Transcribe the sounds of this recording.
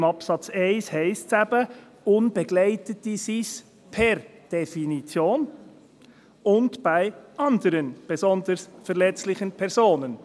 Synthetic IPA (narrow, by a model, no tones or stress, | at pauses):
mɑpsɑt͡sɛɪshɛɪstsæbə | ʊnb̥eɡ̥lɛɪtətisis | pʰɛɾd̥ɛfinit͡sjoːn | ʊntb̥aɪʔɑndəɾənb̥ɛzɔndəɾsfɛɾlɛt͡slɪχənpʰɛɾzoːnən